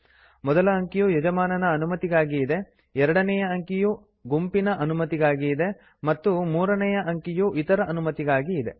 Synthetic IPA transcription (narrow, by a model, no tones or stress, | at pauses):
mɔd̪ɐlɐːŋkijujɐd͡ʒɐmaːnɐnɐːnumɐt̪iɡaːɡiːd̪e̞ | ɛɾɐɽɐnɛjɐɐŋkiju | ɡumpinɐʔɐnumɐt̪iɡaːɡiːd̪e̞ | mɐt̪ːumuːɾɐnɛjɐʔɐŋkijuʔit̪ɐɾɐʔɐnumɐt̪iɡaːɡiːd̪e̞